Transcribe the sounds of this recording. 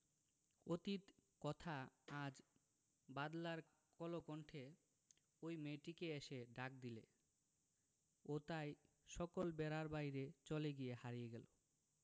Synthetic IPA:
ot̪it̪kɔt̪ʰaad͡ʑ | bad̪laɾ | kɔlokɔɳʈʰe | ojmeʈikeeʃeɖak̚d̪ile | ot̪aj | ʃɔkolbɛɾaɾbajɾet͡ɕoleɡijehaɾijeɡɛlo

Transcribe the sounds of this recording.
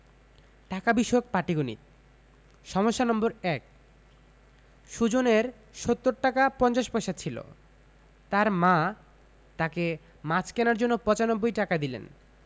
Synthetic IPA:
ʈakabiʃɔok̚paʈiɡonḭt̪̚ | ʃɔmoʃːanɔmboɾɛk̚ | ʃud͡ʑoneɾ | ʃot̪ːoɾʈakapɔnt͡ɕaʃpɔʃat͡ɕʰilo̰ | t̪aɾmã | t̪ake | mat͡ɕʰkɛnaɾd͡ʑonːopɔt͡ɕanobːojʈakad̪ilḛn

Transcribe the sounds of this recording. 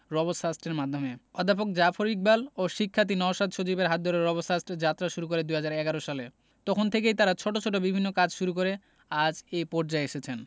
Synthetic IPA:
ɾɔbosasʈeɾmad̪ʱːomeɔd̪ʱap̬ok̚d͡ʑafʰoɾik̚baloʃikʰːat̪̬inɔʃad̪ʱʃot͡ɕibeɾɦat̪̚d̪ːoɾeɾːɔbosasʈd͡ʑat̪ːɾaʃuɾukoɾed̪uɦad͡ʑaɾɛɡaɾoʃale | t̪ɔkʰont̪ʰekejt̪aɾat͡ɕʰoʈot͡ɕʰoʈobibʱinːokad͡ʑʃuɾukoɾe | ad͡ʑepɔɾd͡ʑaeeʃet͡ɕʰen

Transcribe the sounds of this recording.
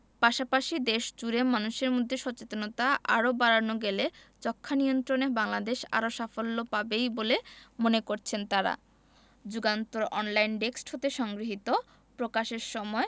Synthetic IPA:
paʃapaʃid̪eʃd͡ʑuɾemanuʃeɾmod̪ʱːeʃɔt͡ɕet̪onot̪aʔaɾobaɾanoɡelet͡ɕɔkʰːanijont̪ɾoneɾbaŋlad̪eʃa̰ɾoʃafolːopabejbolemonekoɾt͡ɕʰent̪aɾa̰ | d͡ʑuɡant̪oɾɔnlajnɖeksʈɦot̪eʃɔŋɡɾiɦit̪o | pɾokaʃeɾʃɔmɔe

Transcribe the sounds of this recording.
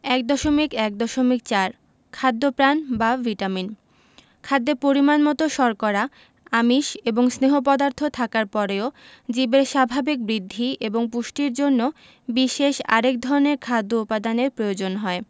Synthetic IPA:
ɛk̚d̪ɔʃomikɛk̚d̪ɔʃomik̚t͡ɕaɾ | kʰad̪ːopɾanbaviʈamin | kʰad̪ːeɾpoɾimanmɔt̪oʃɔɾkɔɾa | amiʃeboŋsneɦop̬ɔd̪aɾt̪ʰot̪ʰakaɾpɔɾeod͡ʑibeɾʃabʱabik̚bɾid̪ʱːieboŋpuʃʈiɾd͡ʑonːo | biʃeʃa̰ɾek̚d̪ʱɔɾoneɾkʰad̪ʱːoupad̪aneɾpɾojod͡ʑonɦɔe

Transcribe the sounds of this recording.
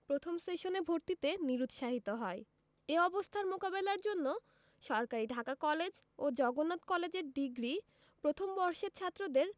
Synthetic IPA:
pɾot̪ʰomsʈeʃonebʱoɾt̪it̪eniɾut̪ʃaɦit̪oɦɔe | eɔbost̪ʰaɾmokabelaɾd͡ʑonːo | ʃɔɾkaɾiɖʱakakɔled͡ʑ | od͡ʑɔɡonːat̪kɔled͡ʑeɾɖiɡɾi | pɾot̪ʰombɔɾʃet̪t͡ɕʰat̪ːɾod̪eɾ

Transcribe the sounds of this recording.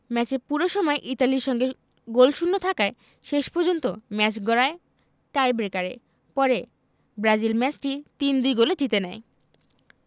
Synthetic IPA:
mɛt͡ɕeɾpuɾoʃɔmɔeʔit̪aliɾʃɔŋɡe | ɡolʃunːot̪ʰakae | ʃeʃpɔɾd͡ʑont̪omɛt͡ɕɡɔɾae | ʈajbɾekaɾḛ | pɔɾe | bɾad͡ʑilmɛt͡ɕʈit̪ind̪ujɡolet͡ɕit̪enɛe

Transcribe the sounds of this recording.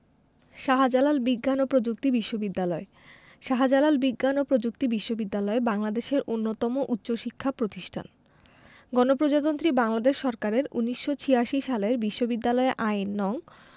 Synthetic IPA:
ʃaɦad͡ʑalalbiɡːanopɾod͡ʑuk̚t̪ibiʃːobid̪ːalɔe | ʃaɦad͡ʑalalbiɡːanopɾod͡ʑuk̚t̪ibiʃːobid̪ːalɔebaŋlad̪eʃeɾʔonːot̪ɔmoʔutːɕoʃikʰːapɾot̪iʃʈʰa̰n | ɡɔnopɾod͡ʑat̪ont̪ɾibaŋlad̪eʃːɔɾkaɾeɾṵnːiʃːot͡ɕʰijaʃiʃaleɾbiʃːobid̪ːalɔeʔajnːɔŋ

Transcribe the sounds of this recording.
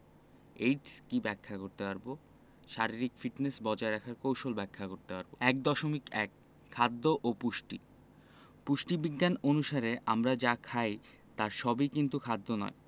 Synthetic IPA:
eʈskibɛkʰːakoɾt̪epaɾbo | ʃaɾiɾikfiʈnesbɔd͡ʑaeɾakʰaɾkowʃolbɛkʰːakoɾt̪epaɾboɛk̚d̪ɔʃomikɛk | kʰːad̪ːoʔopuʃʈḭ | puʃʈibiɡːanonuʃaɾeʔa̰mɾad͡ʑakʰaj | t̪aɾʃɔbikint̪ukʰad̪ːonɔ̰e

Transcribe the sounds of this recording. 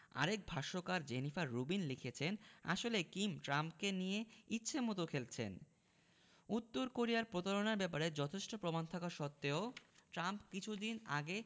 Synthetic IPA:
a̰ɾek̚bʱaʃokaɾd͡ʑenifaɾːubinlikʰet͡ɕʰena̰ʃolekimʈɾampkenijeitːɕʰemɔt̪okʰelt͡ɕʰḛn | ut̪ːoɾkoɾijaɾpɾot̪aɾonaɾbɛpaɾed͡ʑɔt̪ʰeʃʈopɾomant̪ʰakaɾʃɔt̪ːeoʈɾampkit͡ɕʰud̪inaɡe

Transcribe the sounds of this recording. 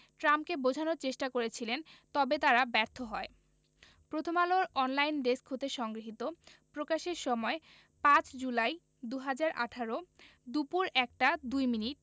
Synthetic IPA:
ʈɾamp̚kebod͡ʑʱanoɾt͡ɕeʃʈakoɾet͡ɕʰilent̪ɔbet̪aɾabɛɾt̪ʰoɦɔe | pɾot̪ʰomaloɾɔnlajnɖeskɦot̪eʃɔŋɡɾiɦit̪opɾokaʃeɾʃɔmɔe | pãt͡ɕd͡ʑulaj | d̪uɦad͡ʑaɾʔa̰ʈʰaɾo | d̪upuɾɛk̚ʈad̪ujminiʈ̚

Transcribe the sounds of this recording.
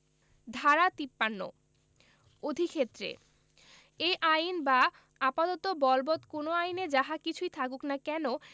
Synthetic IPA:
d̪ʱaɾat̪ipːanːo̰ | od̪ʱikʰet̪ːɾḛ | ejʔajnba | apat̪ɔt̪obɔlbɔt̪konoajned͡ʑaɦakit͡ɕʰujt̪ʰakuknakɛno

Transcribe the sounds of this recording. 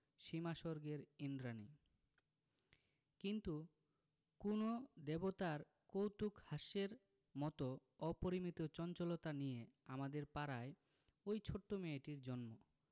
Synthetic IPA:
ʃimaʃoɾɡeɾind̪ɾani | kint̪u | kunod̪ebot̪aɾ | kowt̪ukhaʃeɾ | mɔt̪o | ɔpoɾimit̪ot͡ɕɔnt͡ɕolot̪anijeamad̪eɾpaɾae | ojt͡ɕʰoʈːomeeʈiɾd͡ʑɔnmo

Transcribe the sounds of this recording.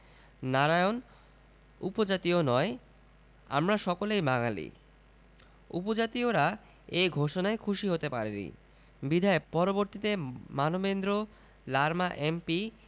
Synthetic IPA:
naɾaeon | ṵpod͡ʑat̪ionɔe | a̰mɾaʃɔkolejmaŋalḭ | ṵpod͡ʑat̪ioɾa | ejɡʱoʃonaekʰuʃiɦot̪epaɾenḭ | bid̪ʱaepɔɾoboɾt̪it̪emanobend̪ɾo | laɾmaʔempi

